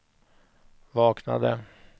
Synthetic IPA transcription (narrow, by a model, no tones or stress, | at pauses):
vɑːkna̰d̪ə